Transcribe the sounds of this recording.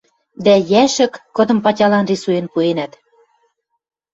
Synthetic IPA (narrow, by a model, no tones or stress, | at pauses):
d̪æjæʃə̆kːŏd̪ɤ̆mpɑtʲɑlɑnrisujenpuenæt̪